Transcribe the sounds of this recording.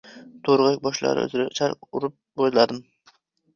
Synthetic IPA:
t̪ʰoɾʁak̚ʲbɒʃlˠa̰ɾɪ̰ɵ̰zɪɾat͡ʃʰaɾʊɾʊp̚boj̪lˠad̪ɪm

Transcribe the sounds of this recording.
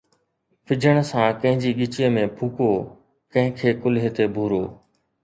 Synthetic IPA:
pʰɪd͡ʑʱəɽ̃sãːkɐ̃ɦɪ̃ɲd͡ʑiːɠɪt͡ɕijəmẽːpʰuːkoː | kɐ̃ɦɪ̃kʰeːkʊlɦet̪ebʱuːɾoː

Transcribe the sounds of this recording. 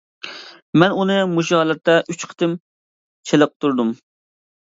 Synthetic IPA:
mɛnunɨmuʃɑːlˠɨɾt̪ːɛʔyt͡ʃqʰə̥t̪ɨm | t͡ʃʰeləq̚t̪ʰuɾd̪um

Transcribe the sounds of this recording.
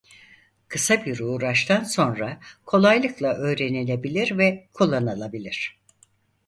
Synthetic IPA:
kʰɯsabiɾuːɾaʃt̪ʰanso̞nɾakʰo̞lˠajlˠɯklˠaʔø̞ːɾe̞nenʲebilʲiɾvɛkʰulˠːanalˠabilʲiɾ̝̥

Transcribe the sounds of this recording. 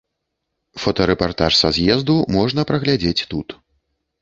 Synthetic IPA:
fɔt̪ɔɾɛpart̪aʂsazʲjɛzd̪umɔʐnɐpɾɐɣlʲad͡zʲet͡sʲt̪ut̪

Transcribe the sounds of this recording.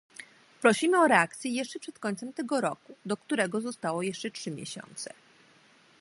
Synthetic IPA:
pɾɔɕimɘɔɾɛakt̪sʲjɛjɛʂt͡ʂɛpʂɛt̪kɔɲt̪sɛmt̪ɛɡɔɾɔkud̪ɔkt̪uɾɛɡɔzɔst̪awɔjɛʂt͡ʂɛtʂɘmʲjḛɕɔ̰nt̪sɛ

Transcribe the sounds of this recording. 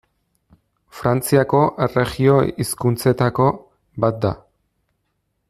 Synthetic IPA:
fɾant͡siako̞ʔere̞ɣio̞iskunt͡se̞t̪ako̞ | bat̪̚d̪a̰

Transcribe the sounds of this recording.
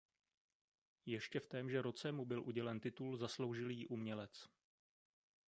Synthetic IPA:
jɛʃcɛft̪ɛːmʒɛɾo̞t͡sɛmubɪlʔuɟɛlɛnt̪ɪt̪ulzaslo̞wʒɪljiʔumɲɛlɛt͡s

